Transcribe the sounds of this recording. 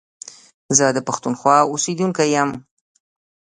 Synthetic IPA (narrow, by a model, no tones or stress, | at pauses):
zəd̪əpaxt̪unxwɑʊsid̪uŋkajam